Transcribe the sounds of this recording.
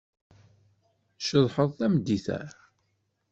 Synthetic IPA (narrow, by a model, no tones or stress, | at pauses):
ʃəðˤħəðˤθæmd̪ːiθæ̰ɾ